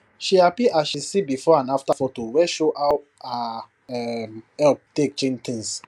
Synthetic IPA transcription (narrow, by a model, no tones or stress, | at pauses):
ʃiapiʔaʃisibifɔãnaftafɔtowɛʃoʔaw | a | ɛmhɛlp̚tek̚t͡ʃẽnt̪ĩns